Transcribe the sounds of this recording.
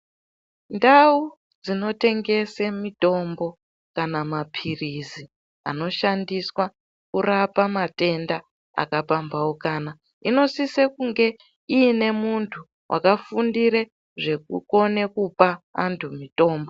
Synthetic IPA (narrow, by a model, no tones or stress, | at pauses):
ndau | d͡zino̞te̞ŋɡe̞semito̞mbo̞ | kanamapʰirizi | a̰no̞ʃandiswa | kurapamate̞nda | a̰kapambawokaːna | ino̞sisekuŋɡe̞ | iːne̞muntʰu | wʔa̰kafundiɾe | ʐe̞kuko̞ne̞kupaantʰumito̞ːmbo